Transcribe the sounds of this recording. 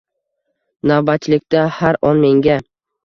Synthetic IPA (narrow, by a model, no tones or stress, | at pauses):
navbat̪lɪk̚ʲt̪ahaɾɒnme̞ŋɡʲa